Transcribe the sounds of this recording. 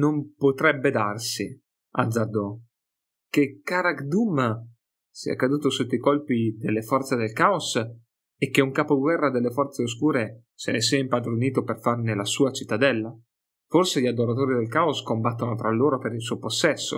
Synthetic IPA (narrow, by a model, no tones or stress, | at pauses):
nompot̪ɾɛbːed̪arsi | a̰d̪zːad̪o | k̟ekːaːɾakd̪umːa | sḭa̰kːad̪uːt̪osut̪ːikolpid̪elːefɔrt̪sed̪elkaos | ek̟ːeuŋkaːpoɡwɛrːad̪elːefɔrt̪seos̬kuːɾe | senes̬iaimpad̪ɾoniːt̪operfarnelasuːat͡ʃit̪ːad̪ɛlːa | forseʎad̪oɾat̪oːɾid̪elkaoskombat̪ːonot̪ɾalːoːɾopeɾils̬uoposːɛsːo̰